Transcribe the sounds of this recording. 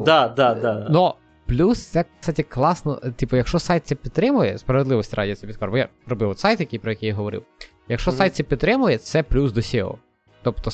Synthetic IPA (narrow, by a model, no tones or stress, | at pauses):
d̪ɑd̪ɑanɔ | plʲust̪sɛksɑtʲiklˠɑsnɔ̰t̪ʲipɔjɐkʃt͡ʃɔsajt̪ʲsʲɛpʲid̪̚t̪ɾɪmʊjɛ̰spɾɐʋed̪lˠɪʋɔsʲtʲiɾɑdʲijɐt͡sʲsʲɛpʲid̪̚kɔɾbɔja̰ɾɔbɪʋwɔt̪sɑjt̪jɐkijpɾɔjɐkʲijaɦɔʋɔɾɪ̰w | jɐkʃt͡ʃɔsajt̪sʲɛpʲid̪t̪ːɾɪmʊjɛt̪sɛplʲusd̪ɔsʲilˠɔ̰ | t̪ɔpt̪ɔ